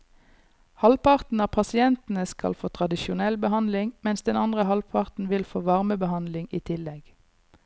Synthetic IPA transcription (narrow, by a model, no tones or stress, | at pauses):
hɑlpʰɑʁt̪n̩ɑːpʰɑsɪɛnt̪n̩əskɑ̰lfoːt̪ʰʁɑd̪ɪʃʊnɛlbəhɑnd̪lɪŋmɛnsd̪ɛnɑnd̪ʁəhɑlpʰɑʁt̪n̩ʋɪlfoːʋɑʁməbəhɑnd̪lɪŋiːt̪ʰɪlɛɡ